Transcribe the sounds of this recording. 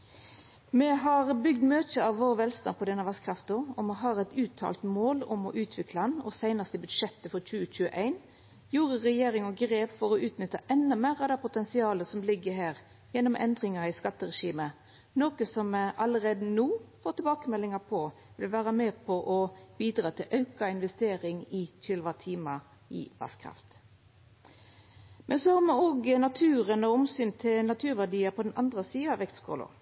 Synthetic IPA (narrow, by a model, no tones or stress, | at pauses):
mɛɦɑʁbʏɡ̚d̪møːt̪əɑʋːoːɾʋɛlst̪ɑ̰npʰɔd̪ɛnɑʋɑskʰɾɑft̪ʊɔmɛɦɑːɾɛɪt̪ʰʉːt̪ʰɑ̰ːlt̪moːlɔmɔ̰ʔʉːt̪ʰʋɪkʰlɑnɔsæɪnɑst̪əbʉd̪ʂɛt̪ːəfɔɾt͡ʃʉːəc͡çʉːəʔæɪn | juːʁəʁɛjeːɾɪŋɔɡɾeːpfɔɾɔʉːt̪nʏt̪ːɑʔɛnːɑmeːʁɑd̪ɑpʊt̪ɛnsɪɑːləsɔmlɪɡːəɦæːɾ | jɛnːɔmʔɛ̰nd̪ʁɪŋɑɪskɑt̪ːəɾɛʂiːmə | noːkəsɔmʔɑlːəʁeːd̪ənuːfoːt̪ʰɪlbɑːkəmɛlːɪŋɑpʰɔ | ʋɪlʋæːʁəmeːpʰɔʔɔb̥iːd̪ʁɑːt̪ʰɪlʔɑʉkɑɪnʋɛst̪eːɾɪŋɪtʰɪlʋɑt̪ʰiːmɑ | ʔɪ̰bɑ̰skʰʁɑ̰ft̪ | mʔɛnsɔhɑmɛoːɡnɑt̪ʰʉːʁənɔɔmsyːnt̪ʰɪlnɑt̪ʰʉːʁʋædiːəpʰɔd̪ɛnʔɑ̰nd̪ʁəsiːɑɑʋɛkt̪skʰɔ̰lʊ̰